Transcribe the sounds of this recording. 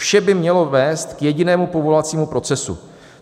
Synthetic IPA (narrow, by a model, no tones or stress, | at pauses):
fʃɛbɪmɲɛlo̞vɛːst̪kjɛɟɪnɛːmupo̞vo̞lat͡siːmupɾo̞t͡sɛsṵ